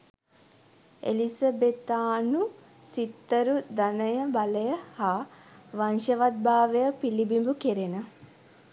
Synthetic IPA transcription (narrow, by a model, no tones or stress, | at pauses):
ḛlisəbet̪aːnu | sit̪ːəɾud̪anəjəbaləjəhaːʋanʃəʋat̪̚baːʋejəpilibimbukeɾenə